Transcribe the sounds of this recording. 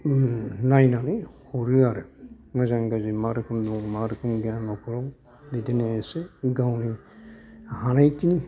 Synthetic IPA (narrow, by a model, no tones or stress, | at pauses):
najnanɯhɔɾɯaɾɯ | mɔzaŋɡazimaɾɯkʰɯmdɔŋmaɾɯkʰɯmɡanɔpʰɔɾɔ | bideneeseɡawni | hanajkini